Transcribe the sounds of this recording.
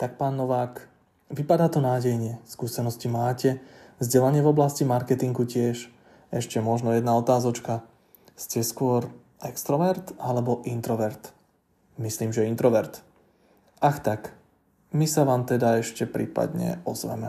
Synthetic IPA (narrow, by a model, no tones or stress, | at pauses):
t̪ak̚paːnːɔʋaːk | ʋipad̪aːt̪ɔnaːɟɛjɲɪɛskuːsɛnɔscimaːcɛzɟɛlaɲɪɛvɔblascimaɾkɛt̪iŋɡucɪɛʃ | ɛʃcɛmɔʒnɔjɛd̪naɔt̪aːzɔt͡ʃka | scɛskʊɔɾ | ʔɛkst̪ɾɔʋɛɾt̪alɛbɔʔint̪ɾɔʋɛɾt̪ | misliːmʒɛint̪ɾɔʋɛɾt̪ | axt̪ak | misaʋaːmt̪ɛd̪aɛʃcɛpɾḭːpa̰d̪ɲɛ̰ɔzʋɛ̰mɛ